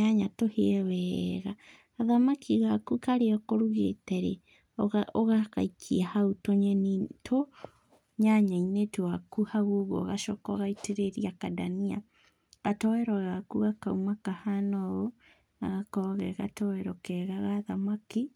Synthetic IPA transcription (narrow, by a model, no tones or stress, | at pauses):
ɲaɲatoheɛwɛːɣaː | ðamakʰiɣakukaɾeɔkoɾuɣḛtɛɾḛ | oɣaka̰ikʰiahaotoɲɛnitʰo | ɲaɲainetwakuhaɣoɣo̰ɣaʃɔkɔɣaiteɾeɾiakadania̰ | ɣatɔwɛɾɔɣakuɣakaumakahanɔɣo | na̰ɣakɔɣɛɣa̰tɔwɛɾɔkɛɣaɣaːðamaki